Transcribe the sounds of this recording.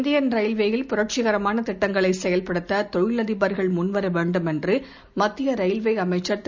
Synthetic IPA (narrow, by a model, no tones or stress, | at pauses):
nd̪ɪjɐnɾɐɪlʋejɪlpʊɾɐʈ̚t͡ʃɪɣɐɾɐmaːnɐt̪ɪʈːɐŋɡɐɭɐɪsɛjɐlpɐɽɯt̪ːɐt̪ɔɻɪɭɐðɪbɐɾɣɐɭmʊnʋɐɾɐʋeːɳɖɯmɛndrɯ | mɐt̪ːɪjɐɾɐɪlʋɐɪɐmɐɪt͡ʃːɐɾt̪